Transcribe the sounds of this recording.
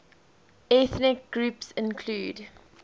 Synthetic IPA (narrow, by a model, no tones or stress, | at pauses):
ɛθnɪk̚ɡ̥ɹupsɪ̃nkʰluːd